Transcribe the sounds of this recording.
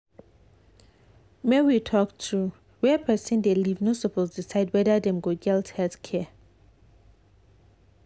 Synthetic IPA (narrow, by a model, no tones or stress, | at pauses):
mɛwitʰɔktʰu | wɛpʰɛsɛ̃ndelivnosopolsdisaɪdwɛdədɛ̃mɡoɡɛlthɛlθkʰɛ